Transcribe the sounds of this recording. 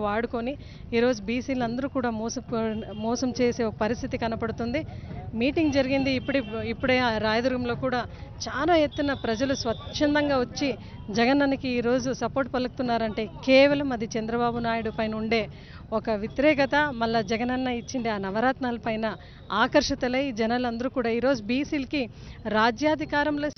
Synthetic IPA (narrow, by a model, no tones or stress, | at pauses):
aːɽukoni | iːɾo̞ːd͡ʒubiːsiːlɐnd̪ɐɾukuːɽaːmɔːsɐmɔːsɐmt͡ʃe̞ːse̞ːokɐpɐɾist̪ʰit̪ikɐnɐpɐɽut̪und̪imiːʈiŋɡd͡ʒɐɾiɡind̪iːpːuɽiipːuɽeːɾaːjɐd̪uɾɡɐmlo̞ːkuːɽaːt͡ʃaːlaːjet̪ːunɐpɾɐd͡ʒɐlusʋɐt̪ʃɐnd̪ɐŋɡaːʋɐt͡ʃːi | d͡ʒɛɡɐnɐnɐkiːɾo̞ːd͡ʒusɐpo̞ːɾʈ̚pɐlɐkut̪unːaːɾɐɳʈe̞ːkeːʋɐlɐmɐd̪it͡ʃɛnd̪ɾɐbaːbunaːjuɽupɐjnɐuɳɖe̞ː | ɔkɐʋit̪iɾɛːkɐt̪ɐmɐlːɐd͡ʒɛɡɐnɐnːɐit͡ʃːiɳɖiaːnɐʋɐɾaːt̪naːlɐpɐjnɐ | aːkɐɾʂɐt̪ɐlɐjid͡ʒɛnɐlɐnd̪ɐɾuːkuːɽaːiːɾo̞ːd͡ʒubiːsiːlki | ɾaːd͡ʒjaːd̪ʱikaːɾɐmloː